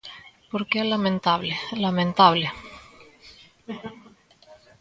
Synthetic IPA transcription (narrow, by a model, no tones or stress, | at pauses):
poɾkeelamẽnt̪aβlelamẽnt̪aβle